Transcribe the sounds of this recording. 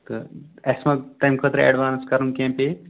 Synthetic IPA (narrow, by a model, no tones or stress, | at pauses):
t̪ɨɐsmɐʈɐjmkʰəːt̪ɾɨɐ̰ɖʋaːnskɐɾɨnkẽːmpe